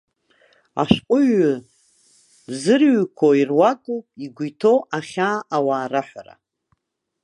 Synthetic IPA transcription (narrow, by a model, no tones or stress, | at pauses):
a̰ʃqʷʼʊɥʊ | bzɨrɥkʷʰoirwakʼowpʼiɡʷijtʰowʔaχʲaːʔawaːɾaħʷara̰